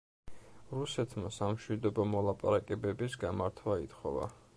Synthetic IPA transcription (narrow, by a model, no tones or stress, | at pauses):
ɾusɛt̪ʰmasamʃwid̪ɔbɔmɔlˠapʼaɾakʼɛbɛbisɡamaɾt̪ʰwait̪ʰχɔva̰